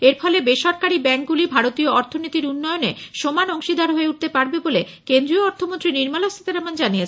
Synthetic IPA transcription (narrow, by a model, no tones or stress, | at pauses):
eɾfɔlebeʃɔɾkaɾibɛŋk̚ɡulibʱaɾot̪ioɔɾt̪ʰonit̪iɾunːɔjoneʃomanɔŋʃid̪aɾɦoeuʈ̚t̪epaɾbebole | kend̪ɾioɔɾt̪ʰomont̪ɾiniɾmalost̪ʰi̥t̪eɾamand͡ʑanijet͡ɕʰ